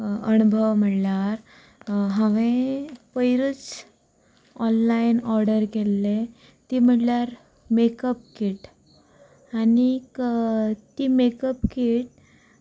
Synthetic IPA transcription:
ənubʱəʋm̤əʈljaɾ | ɦãʋepəjɾut͡s | ɔnlajnɔɾɖəɾkelːe | t̪im̤əʈljaɾ | mekəp̚kiʈ | anik | t̪imekəpkiʈ̚

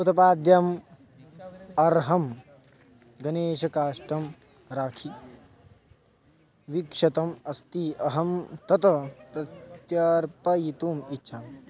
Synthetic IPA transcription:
ut̪ʰɐpaːd̪jɐm | ɐɾɦɐm | ɡɐneːʃɐkaːʂʈɐm | ɾaːkʰi | ʋikʂɐt̪ɐmɐst̪iɐɦɐmt̪ɐt̪ɐt̪ɐt̪jɐɾpɐjit̪uːmitːʃʰaːm

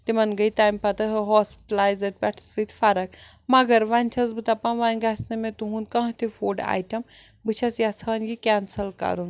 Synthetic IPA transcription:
t̪imɐnɡɐit̪aːjmpɐt̪ɐɦɨɦɔːspi̥ʈɐlaːjzɐʈ̚pʲɛʈʰsɨt̪ʰfɐɾɐk̚ | mɐɡɐɾʋanʲt͡ʃʰɐsbɨt̪ɐpɐnʋanʲɡasnɐmẽt̪uɦũnkɐ̃ɦt̪ʰifoːɖa̰ːjʈɐm | bɨt͡ʃʰɐsjat͡sʰɐnɡikʲansɐlkɐ̰ɾun

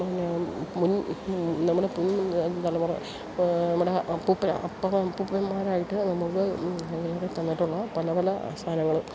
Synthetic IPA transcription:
anmunnɐmːuɽepunt̪ɐlːɐmurɐ̰ | nɐmːuɽeʔɐpːupːɐ̰ɐ̰pːɐmɐpːupːɐnmaːɾaːjiʈːɨnɐmːɐɭkɨɐŋɐlɐret̪ːɐnːiʈːuɭːɐpɐlɐpɐlɐ̰st̪ʰaːnɐŋːɐɭ

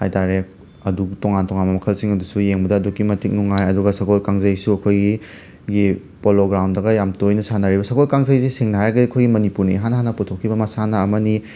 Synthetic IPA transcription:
ha̰jtaɾe | ɐduɡtoŋantɔŋanmɐmɐkʰɐlsiŋɐdusujeŋbɐdɐːdukːimɐtik̚nuŋajɐduɡɐsɐkolkaŋzɐjsuɐkʰojɡi | ɡi | poloɡɾawndɐɡɐjamtojnɐsanɐɾibɐsɐkolkaŋzɐjsisiŋnɐɦajɾɐɡɐdiɐkʰojɡimɐnipuɾniɦanɐɦanɐputʰokʰːibɐmɐsanɐːmɐni

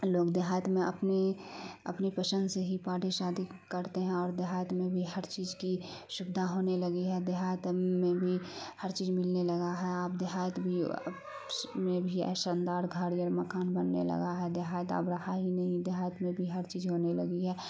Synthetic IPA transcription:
loːɡd̪eɦaːjət̪mẽɐ̰pneɐ̰pnipəsə̃nd̪seɦipaːʈiʃaːd̪ikəɾt̪eɦɛ̃ɔːɾd̪eɦaːjət̪mẽbʱiɦɐɾt͡ʃiːzkiʃʊbd̪ʱaɦoːneləɡiɦɛd̪eɦaːjət̪mẽbʱihəɾt͡ʃiːzmɪlnelɐɡaɦɛaːp̚d̪ɪɦaːjət̪bʱi | mẽbʱiɛ̰ːʃãːnd̪aːɾɡʱəɽiɔːɾməkaːnbənːḛlɐ̰ɡaɦɛd̪eɦaːjət̪a̰ːpɾɐhaɦinɐɦĩd̪eɦaːjət̪mẽbʱiɦɐɾt͡ʃiːzɦoːnelɐɡiɦɛː

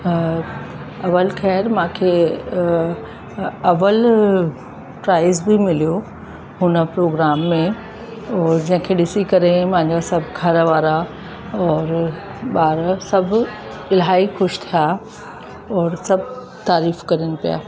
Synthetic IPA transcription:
ɐʋəlxɛːɾmãːkʰe | ɐʋəl | pɾaːɪzbɪmɪlijo | ɦʊnəpɾoːɡɾaːmːẽ | ɔːɾd͡ʑɐ̃ɦɪ̃kʰeːɗɪsikɐɾemãɦɪ̃ɲd͡ʑasɐbʱɡʱɐɾʋaːɾa | ɔːɾ | ɓaːɾsɐbʱ | ɪlɦaːixʊʃt̪ʰija | ɔːɾsɐbʱ | t̪aːɾiːfkɐɾinɪ̆pija̰ː

